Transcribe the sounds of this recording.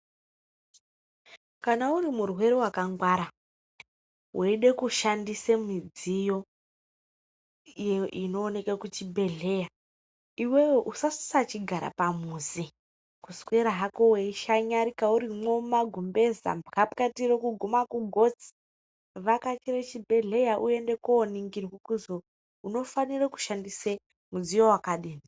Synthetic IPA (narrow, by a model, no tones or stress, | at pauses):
kanaurimurwe̞ɾewakaŋɡwaːɾa | weɗe̞kuʃandisemid͡zijo̞ | jeino̞ːne̞kekut͡ʃibʱe̞ɮe̞ja | iwe̞weʔusasi̥sat͡ʃiɡʱaɾa̰pamuːzi | kuskweɾaɦakoweiʃaɲaɾikauɾimo̞maɡʱumbe̞za̰mbʱkapkatirekuɡʱumakuɡʱot͡si̥ | ʋakat͡ʃiret͡ʃibʱe̞ɮe̞jaʔue̞nde̞koːniŋɡirikukuzo | uno̞fanireku̥ʃandise | mud͡zijo̞wakaɗiːni